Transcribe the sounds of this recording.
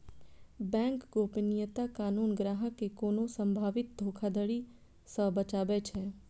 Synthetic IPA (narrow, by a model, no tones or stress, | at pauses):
bɛ̃ːŋkɡoːpnɪjət̪akaːnuːnɡɾaːɦəkːekoːnõsə̃mbʱaːʋɪt̪̚d̪ʱoːkʰad̪əɽi | səbət͡ʃaːbɛːt͡ʃʰɛː